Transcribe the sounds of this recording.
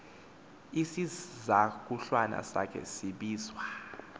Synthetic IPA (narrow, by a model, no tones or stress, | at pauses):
isizak̬ʼuɬwana̰sa̰kʰɛ̰siɓiːzwa